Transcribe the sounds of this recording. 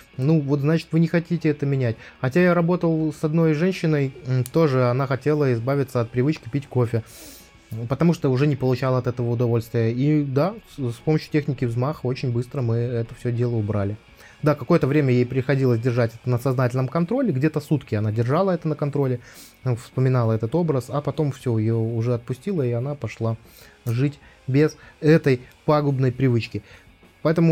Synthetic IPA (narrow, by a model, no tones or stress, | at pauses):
nuvo̞t̪znat͡ɕɪ̥t̪vɨnʲɪxɐtʲitʲɪɛt̪əmʲɪnʲætʲxɐtʲajaɾɐbo̞t̪əlˠsɐd̪no̞jʐɛnʲɕːɪnəj̩t̪o̞ʐɨɐnaxɐtʲe̞lˠəɪzbavʲɪt̪səɐt̪̚pɾʲɪvɨt͡ɕkʲɪpʲitʲko̞fʲɪ | pət̪ɐmuʂt̪əʊʐɛnʲɪpəlˠʊt͡ɕalˠəɐt̪ɛt̪əvəʊd̪ɐvo̞lʲst̪vʲɪjəid̪aspoməɕjʊtʲexnʲɪkʲɪvzmaxəo̞t͡ɕɪnʲbɨst̪ɾəmɨɛt̪əfsʲɵdʲe̞lˠəʊbɾalʲɪ | d̪akɐko̞jət̪əvɾʲemʲəjejpɾʲɪxɐdʲilˠəs̬ʲdʲɪrʐatʲɛt̪ənəsɐznatʲɪlʲnəmkɐnt̪ɾo̞lʲɪɡdʲet̪əsut̪kʲɪɐnadʲɪrʐalˠəɛt̪ənəkɐnt̪ɾo̞lʲɪ | fspəmʲɪnalˠəɛt̪ət̪o̞bɾəsɐpɐt̪o̞mfsʲojɪjoʊʐɛɐt̪̚pʊsʲtʲilˠəiɐn̪apɐʂlˠa | ʐɨtʲ | bʲezɛt̪əjpaɡʊbnəjpɾʲɪvɨt͡ɕkʲɪ | pɐɛt̪əmʊ